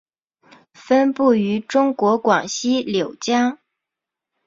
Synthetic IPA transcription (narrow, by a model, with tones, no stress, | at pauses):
fə˥npu˥˩y˧˥ʈ͡ʂʊ˥ŋkwɔ˧˥kwɑ˨˩ŋɕi˥ljo˨˩ʊt͡ɕjɑ˥ŋ